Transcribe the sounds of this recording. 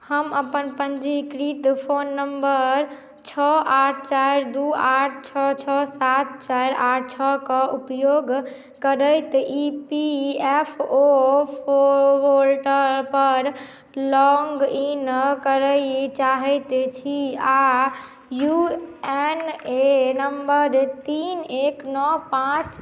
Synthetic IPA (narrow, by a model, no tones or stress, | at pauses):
həməpənpənd͡ʒikɾit̪pʰonːəmbəɾ | t͡ʃʰɔʔaʈ̚ʰt͡ʃaɾd̪uaʈʰt͡ʃʰɔt͡ʃʰɔsat̪̚ʰt͡ʃajɾaʈʰt͡ʃʰɔkɔupjoɡ | kəɾəjt̪ʔipiepʰopʰoolʈəɾpəɾ | lɔŋɡinkəɾəɪt͡ʃaɦɛɪt̪t͡ʃʰia | juenenəmbəɾt̪ineknɔpãt͡ʃ